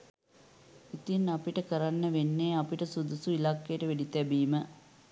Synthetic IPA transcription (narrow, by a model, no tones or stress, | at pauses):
it̪inɐpiʈəkəɾɐnːəʋenːeːɐpiʈəsud̪usuilakːeːʈəʋeɖit̪ɛbiːmə